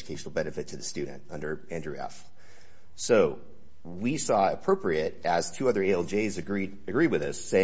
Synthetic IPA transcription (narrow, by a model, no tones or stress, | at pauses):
d͡ʒɨkʰeɪʃn̩l̩ˠbɛnɨfɨtʰɨðɨstʉdⁿn̩tʌ̃ndə˞æ̃ndɹʉɛ̰f | soʊ | wisɔɨpʰɹ̥oʊpɹiɨɾɨz̥tʰʉʌðə˞eɛlˠd͡ʒeɪzɨɡɹidɨɡɹiwɨðʌseɪ